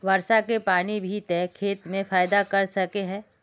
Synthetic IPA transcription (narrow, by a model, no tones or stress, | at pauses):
ʋɐɾʃakepaːnibʱit̪ɛːkʰeːt̪mẽfaːjd̪akɐɾsɐkeɦɛ̃ː